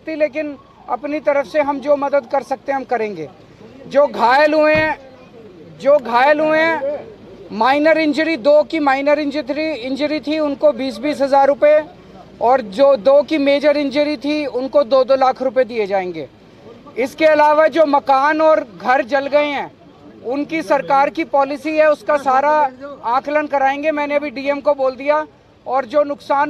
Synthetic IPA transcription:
t̪ʰileːk̬ɪn | ɐ̰pnit̪ɐɾəfseɦɐmd͡ʒoːmɐd̪əd̪̚kɐɾsɐk̚t̪ẽɛ̃ɦɐmkɐɾẽːŋɡḛː | d͡ʒoːɡʱaːjəlɦʊẽɛ̃ | d͡ʒoːɡʱaːjəlɦʊẽɦɛ̃ | maːɪnəɾɪ̃nd͡ʒəɾid̪oːkimaːɪnəɾɪ̃nd͡ʒətɾiɪ̃ɲd͡ʒəɾit̪ʰiʊnkobiːsbiːsɦɐzaːɾːʊpe | ɔːɾd͡ʒoːd̪oːkimeːd͡ʒəɾɪ̃nd͡ʒəɾit̪ʰiʊnkod̪oːd̪olaːkʰɾʊped̪ied͡ʒaːẽːŋɡḛː | ɪskeɐlaːʋad͡ʒoːmɐkaːnɔːɾɡʱɐɾd͡ʒɐlɡɐeɦɛ̃ː | ʊnkisɐɾkaːɾkipɔːlɪsiɦɛʊskasaːɾaãːklənkɐɾaːẽːŋɡemɛ̃ːneɐbʱiɖiːɛmkoboːld̪ija | ɔːɾd͡ʒoːnʊksaːn

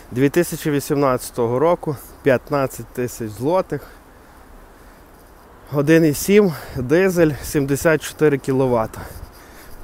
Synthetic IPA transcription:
d̪ʲʋʲit̪ɪsʲɐt͡ʃiʋʲisʲimnɑt͡sʲːɐ̥t̪ɔɦɔɾɔkʊ | pʲjɐt̪nɑt͡sʲːɐt̚ʲt̪ɪsʲɐt͡ʃzlˠɔt̪ɪx | ɦɔd̪ɪnɪsʲimd̪ɪzelʲsʲimd̪esʲat̪̚t͡ʃɔ̥t̪ɪɾɪkʲilˠɔʋɑt̪ɐ̥

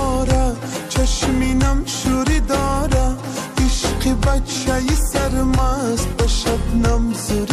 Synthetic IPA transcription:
ɾa | t͡ʃʰɐʃminɐmʃuɾid̪ɑːɾa | iʃqibɐtʃajisɐɾmas̚pɐʃɐbnɐmzuɾ

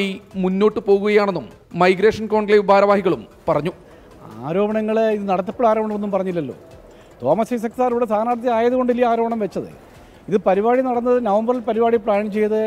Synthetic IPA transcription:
imunːo̞ːʈːɨpo̞ːɣuɣɐjaːɳenːumː | ɐjɡɾeːʂɐnko̞ːɳɡlɐjʋbʱaːɾɐʋaːhiɣɐɭumpɐrɐɲːu | aːɾo̞ːbɐɳɐŋːɐɭiðɨnɐɽɐt̪ːɐpːeɽaːɾo̞ːbɐɳɐmnːumpɐrɐɲːilːɐlːo̞̰ː | t̪o̞ːmɐsɐsɐkt̪ɐaːɾuːɽest̪ʰaːnaːɽɐt̪ːjɐaːjɐðuɣo̞ɳɖilːijɐaːɾo̞ːbɐɳɐmʋet͡ɕːɐðɨ̰ | iðɨpɐɾiʋaːɽinɐɽɐnːɐðɨnɐʋɐmbɐrilpɐɾibaːɽipɭaːɳt͡ɕe̞jːɐðɨ

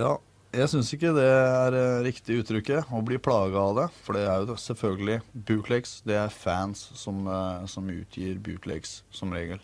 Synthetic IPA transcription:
jɑː | jæɪsʏnsɪkːəd̪ɛæɾɾɪkt̪ɪʉːt̪ʰːɾʏkːəɔbliːpʰlɑːɡɑɑd̪ɛfɔɖɛæɾjʊsɛlfœlɡəlɪbʉːt̪ʰlɛksd̪ɛæɾfænsːɔmsɔmʉ̰ːt̪ʰjḭːɾbʉ̰ːt̪ʰlɛ̰ɡsːɔmɾḛːɡəl

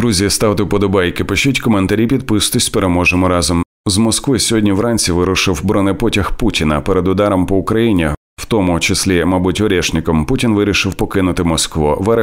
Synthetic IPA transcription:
d̪ɾuzʲiɐst̪ɑwt̪ɪpɔd̪ɔbɑjkɪpɪʃutʲkɔment̪ɐɾʲipʲid̪̚pɪst̪ʊsʲpeɾemɔʒemɔɾɑzɔm | zmɔskʋɪsʲɔɦɔdʲnʲiwɾɑnʲt͡sʲiʋɪɾʊʃɪwbɾɔnɪpɔtʲɐxputʲinɐpɛɾed̪ʊd̪ɑɾɔmpɔʊkɾɐjinʲi | w̥t̪ɔmʊt͡ʃɪsʲlʲimɑbutʲɔɾʲɛʃnɪkɔmputʲinʋɪɾʲiʃɪwpɔkɪnʊt̪ɪmɔskʋɔʋɛɾ

